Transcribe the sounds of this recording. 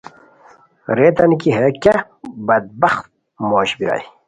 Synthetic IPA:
ɾet̪ɐnkiɦekʲɐ | bɐd̪̚bɐxt̪̚ | moːɕbiɾa̰j

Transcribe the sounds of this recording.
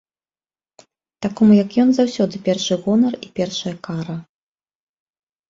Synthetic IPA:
t̪akɔmujɐkjɔnzawsʲɔd̪ɨpʲɛrʂɨɣɔnɐripʲɛrʂɐjɐkaɾɐ

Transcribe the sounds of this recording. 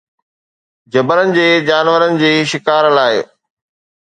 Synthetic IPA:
d͡ʑɐbəɾənɪ̆d͡ʑeːd͡ʑaːnʋəɾənɪ̆d͡ʑiːʃɪkaːɾlaːɪ

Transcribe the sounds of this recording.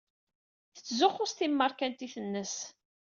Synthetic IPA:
θə̥t͡sːzʊχːʊst̪imːəɾˤkænt̪iθənːəs

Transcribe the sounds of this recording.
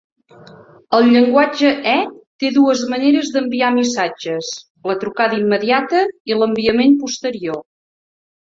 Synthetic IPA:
əlˠʎəŋɡwad͡ʒəʔɛt̪eðuəzməneɾəzðəmbiamisad͡ʒəs | lət̪ɾukaðəimːəðiat̪əiləmbiəmempust̪əɾio

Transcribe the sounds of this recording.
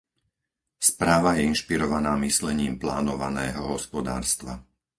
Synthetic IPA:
spɾaːʋajɛinʃpiɾɔʋanaːmislɛɲiːmplaːnɔʋanɛːɦɔɦɔspɔd̪a̰ːɾst̪ʋa̰

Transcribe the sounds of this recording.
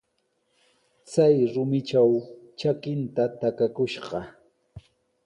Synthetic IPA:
t͡sajɾʊmɪt͡ʃawt͡ʃakɪnt̪at̪akakʊʃɢɑ

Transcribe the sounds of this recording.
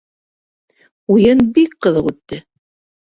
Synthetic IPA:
ujɤnbikqɤ̆ðɤqʉt̪ːɘ

